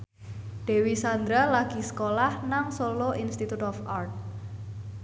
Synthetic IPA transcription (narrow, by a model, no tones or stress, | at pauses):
ɖ̪̥e̤wisand̪ɾalaɡ̥i̤sə̥kolahnaŋsoloʔinst̪it̪ut̪ɔfart̪̚